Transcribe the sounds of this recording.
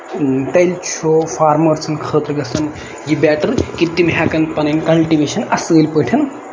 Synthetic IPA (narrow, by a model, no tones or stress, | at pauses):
t̪ɐjlt͡ʃʰofʰaːɾmɐɾt͡sʰɐnkʰəːt̪ɾɡɐsɐm | jibɛːʈɐɾkit̪ːimɦaːkɐnpɐnɐnkɐlʈiʋeːʃɐnɐsɡəjlpəːʈʰɐn